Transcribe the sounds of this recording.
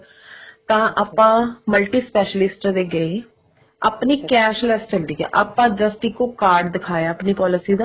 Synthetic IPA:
t̪ãːʔəpãːməlʈiːspɛːʃəlɪsʈd̪eːɡəe | əpniːkɛːʃlɛst͡ʃəld̪iːɛ̰ːʔəpãːd͡ʒəst̪iːkoːkaːɾɖd̪ɪkʰaːjaːəpniːpɔːlɪsiːd̪aː

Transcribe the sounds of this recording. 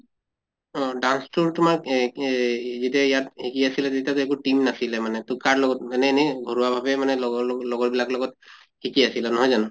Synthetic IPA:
ɔɖanstʰuɹtʊmaɹ | zetiajathekiasilɛtetiat̬oekuʈimnasilɛmanɛtʊkaɹlɔɡɔt̚ɛnɛnɛɡʱoɹuwabʱabɛmanɛlɔɡɔlɔɡɔɹbilaklɔɡɔt̚ | hikiasilanɔɦɔjzanu

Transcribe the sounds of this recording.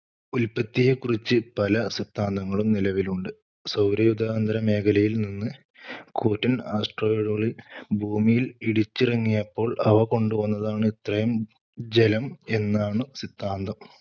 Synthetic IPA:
ulpɐt̪ːijekurit͡ɕːɨpɐlɐsit̪ʰːaːnd̪ɐŋːɐɭumnilɐʋiluɳɖɨ | sɐwɾɐjud̪aːɐnd̪ɐɾɐme̞ːkʰɐlɐjilninːɨ | kuːtːɐnaːsʈroːeɻuɣɐɭilbʱuːmijiliɽit͡ɕːirɐŋːijɐpːo̞ːɭɐʋɐko̞ɳɖuʋɐnːɐðaːɳɨit̪rɐjɐm | d͡ʑelɐme̞nːaːɳɨsit̪ːaːnd̪ʱɐm

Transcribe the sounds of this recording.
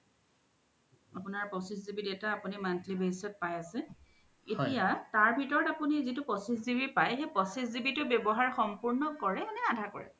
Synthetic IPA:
apʊnaɹpɔsiszibidetaːpʊnimantlibʱesɔt̚pajasɛ | etijataɹbʱitɔɹɔtapunizitʊpɔsiszibipajxepɔsiszibitʊbjɔbɔɦaɹxɔmpuɹnɔkɔɹɛnɛadʱakɔ̰ɹɛ̰

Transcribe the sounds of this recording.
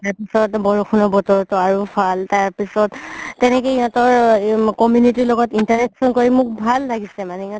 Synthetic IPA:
taɹpisɔtbɔɹuxʰunɔbɔtɔɹtɔaɹupʰaltaɹpisɔtːɛnɛkɔiɔtɔɹkɔmjunitilɔɡɔtintaɹɛk̚sɔnkoɹimʊk̚bʱalːaɡisɛmanɛiɔ̃t

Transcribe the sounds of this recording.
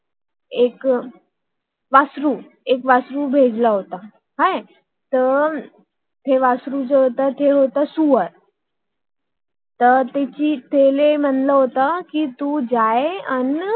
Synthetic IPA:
ek | ʋasɾuː | ekʋasɾubʱed͡zlaɦot̪a | ɦaj | t̪ə | t̪ʰeʋasɾud͡zeɦot̪at̪ʰeɦot̪asuʋəɾ | t̪ət̪et͡ɕiːt̪ʰelem̤ənlaɦot̪akiːt̪ud͡zajeən

